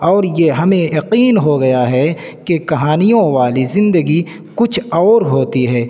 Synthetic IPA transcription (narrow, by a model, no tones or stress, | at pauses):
ɔːɾjeɦɐmẽjɐqiːnɦoɡɐjaɦɛ | kekɐɦaːnijõʋaːlizɪ̃nd̪əɡi | kʊt͡ʃʰɔːɾɦoːt̪iɦɛː